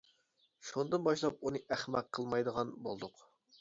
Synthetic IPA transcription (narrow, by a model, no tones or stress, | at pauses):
ʃund̪ɨnbɑʃlˠɑp̚unɨʔæχmæqqʰːəlˠmɑjd̪əʁɑnbo̰lˠd̪ʊq